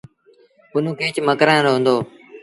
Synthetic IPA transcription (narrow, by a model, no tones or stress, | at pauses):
ʊnũːkeːt͡ʃməkɾãːɾɦʊ̃ːnd̪oː